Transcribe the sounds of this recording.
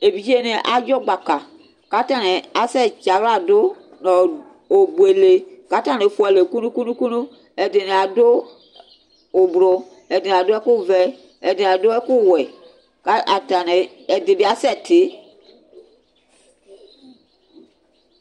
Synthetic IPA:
e˨bi˨d͡ʒe˦nɪ˨ʔa˨d͡ʒɔ˦ɡ͡ba˨ka˨ | ka˨˦ta˨nɪ˨a˨sɛ˦t͡ʃa˨la˨dʊ˦ | nɔ̃˨ | o˨bu˨e˨le˨ka˦ta˦˨nɪ˨fʊ˦ɛ˨le˨ku˦nũ˦ku˦nũ˦ku˦nũ˦ | ɛ˨dɪ˨nɪ˨a˨dʊ˦˨ | bɾʊ˨ | ɛ˨dɪ˨n˨a˨dʊ˦ɛ˦kʊ˦˨vɛ˦ | ɛ˨dɪ˨n˨a˨dʊ˦ɛ˦kʊ˦˨wɛ˨ | ka˦a˨ta˨nɪ˨ | ɛ˨dɪ˨bɪ˦a˦sɛ˦tɪ˨˦

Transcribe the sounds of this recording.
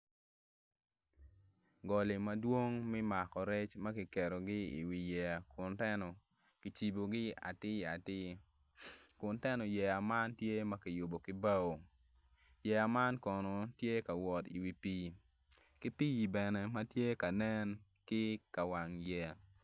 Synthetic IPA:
ɡɔ˨lɪ˨mɐ˦dwo˦ŋmɛ˦ma˨kɔ˨ɾɛ˦t͡ʃmɐ˦kɪ˨kɛ˨ɾo˨ɡɪ˦ḭ˨wi˨jɛ˨a˨kʊ˨ntɛ˦nɔ˨ | ki˨t͡ʃi˨bo˨ɡɪ˦a̰˨tɪ˦˨a˨tɪ˦ | kʊ˨ntɛ˦nɔ˨jɛ˨a˨ma˦ntje˦mɐ˦kɪ˨jʊ˨bo˨kɪ˦ba˦wo˨ | jɛ˨a˨ma˦nkɔ˨nɔ˨tje˦ka˨wɔ˨ti˨wi˨pi˦ | kɪ˦pi˦i˨bɛ˨nɛ˨mɐ˦tje˦ka˨nɛ˦n | kɪ˦ka˨wa˨ŋjɛ˨a˨

